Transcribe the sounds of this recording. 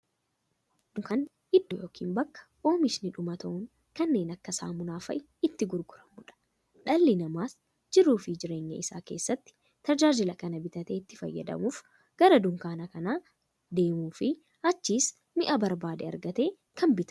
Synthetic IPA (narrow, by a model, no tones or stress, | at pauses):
nʊkɐn | ɪd̪ːɔjo̞ːkʰḭːnbɐkːɐ̥ | o̞ːmɪʃnɪᶑʊmɐt̪ɐʔʊŋ | kɐnːe̞ːnɐkːɐsa̰ːmʊnaːfɐʔɪ | ɪt̪ːɪɡʊɾɡʊɾɐmʊᶑɐ̥ | ᶑɐlːɪnɐmaːs | d͡ʒɪɾːuːfɪd͡ʒɪɾe̞ːɲːɐ̰ʔɪsa̰ːke̞̰ːsːɐt̪ːɪ̥ | t̪ɐd͡ʒaːd͡ʒɪlɐkɐnɐbɪt̪ɐt̪eːɪt̪ːɪ̥fɐ̰jːɐ̰d̪ɐ̰muːf | ɡ̥ɐɾɐd̪ʊŋkaːnɐkɐnaː | d̪e̞ːmuːfɪ | ɐt͡ʃːis | mɪʔɐbɐɾbaːd̪ɛɐ̰ɾɡɐt̪e̞ː | kʰɐmbɪt̪ɐ̥